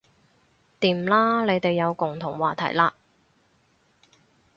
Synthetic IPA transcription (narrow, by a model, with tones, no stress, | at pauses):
t̪iː˨˩m̩˨laː˥le˨˧jt̪e˨jːɐ˨˧wkʊ˨˩ŋt̪ʰʊ˨˩ŋwaː˨˩t̪ʰɐ̰˨˩jlaː˧